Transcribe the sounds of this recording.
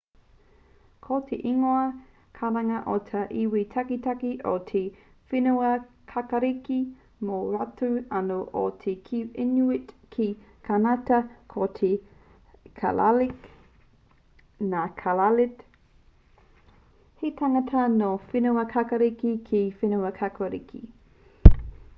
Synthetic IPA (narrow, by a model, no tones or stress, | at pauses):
kʰotʰḛʔiŋoɐ | kʰaɾɐŋɐʔotʰɐʔiwitʰɐkitʰakiʔotʰe | finuɐ | kʰakɐɾiki | moɾatuɐnoʔo̰tʰekʰiinuɪt | kʰikʰanatɐkʰotʰe | kʰa̰la̰lik | nakʰalalɪt | hetʰaŋɐtʰɐnofinuɐkʰakɐɾikikʰifinuɐkʰakɐɾḭkʰḭ